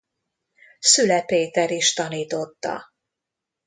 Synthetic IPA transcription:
sylɛpeːt̪ɛɾiʃt̪ɒniːt̪o̞t̪ːɒ̰

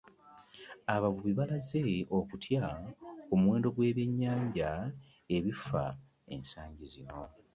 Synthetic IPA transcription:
aβavuβiβalaze̞o̞kutʰjaomwe̞ːndo̞ɡwe̞ːβje̞ɲːaːɲɟa | e̞βifa̰ | e̞̰nsaːɲɟizino̞

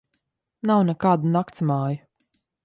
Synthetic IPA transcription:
nawnɛkaːd̪unakt̪smaːju

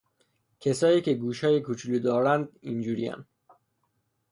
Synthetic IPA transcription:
cʰesɒːjiːcʰe̞ɡuːʃɒːjekʰut͡ʃʰuluːd̪ɒːɾænd̪ind͡ʒuːɾijæ̰n

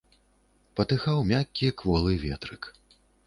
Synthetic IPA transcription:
pɐt̪ɨxawmʲakʲːikvɔlˠɨvʲɛ̰t̪ɾɨk

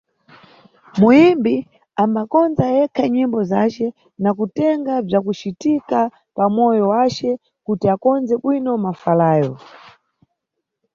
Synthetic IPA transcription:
muimbi | ambakɔnzajɛkʰaɲimbɔzat͡ʃɛ | nakutɛŋɡab͡ʐakut͡ʃitika | pamɔjɔwat͡ʃɛ | kutiakɔnzɛɓwinɔmafalaːjɔ

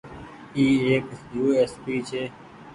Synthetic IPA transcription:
iːeːksjuːespiːt͡ɕʰeː

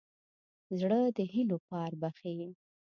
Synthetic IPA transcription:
zɽəd̪əɦinopɑɾbaxewi

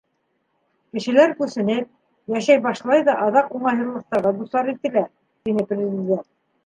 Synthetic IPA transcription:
kɘ̆ʃɘ̆læɾkʉsɘ̆nɘp̚ | jæʃæjbɑʃlˠɑjðɑʔɑðɑquɴɑɦɤ̆ɾlˠɤ̆q̚t̪ɑɾʁɤd̪uslˠɑɾit̪ɘ̆læ | t̪inɘprʲɪzʲɪdʲent̪̚

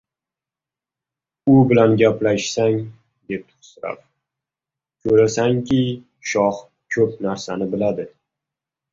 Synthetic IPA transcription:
ʊbɪlanɡʲaplaʃsaŋ | d̪e̞p̚t̪ʰʊ̥sɪɾa̰ɾ | kʲʰɵɾasaŋkʲɪ | ʃɒh | kʰɵp̚naɾsanɪbɪlad̪ɪ

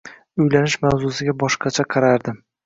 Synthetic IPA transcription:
ʊjlanɪʃmawzʊsɪɡʲabɒʃqɑt͡ʃʰaqʰɑɾaɾd̪ɪm

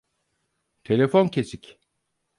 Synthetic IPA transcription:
t̪ʰe̞lʲefoncʰe̞sicʲ

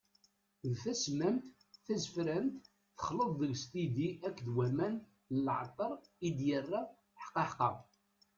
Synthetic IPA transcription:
ðθæsmæmt̪ | θæzfɾænt̪ | θə̥χləðˤðəɡst̪id̪iʔækːðwæmæn | əlʕ̰t̪ˤːəɾˤid̪jərːa | ħə̥qːɑħqɑ̰

